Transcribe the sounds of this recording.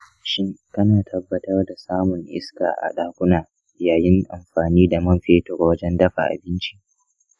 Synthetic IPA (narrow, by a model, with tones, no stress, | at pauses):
ʃɪ˦ŋkɐ˦naː˨tʰɐ˦bːɐ˦tɐ˦rda˨saː˦mʊ˨ŋʔɪ̰˦ska̰ː˨ʔa̰˨ɗaː˨kʷʊ˦naː˨ | bɪ˨jaː˨jɪ˦ŋʔa˨mɸaː˨niː˦da˨mɐ˦mɸeː˦to˨ɾwɐ˦d͡ʒɛ˦ndɐ˦ɸa̰ː˨ʔa̰˨bɪ˦nt͡ʃi̥˦ʔ